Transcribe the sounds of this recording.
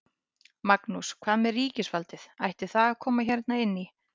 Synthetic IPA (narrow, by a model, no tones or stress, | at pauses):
maknuskʰv̥aːðmɛɾriːcɪsvalt̪ɪθajht̪ɪθaakʰɔːmaçɛɾt̪naɪnːi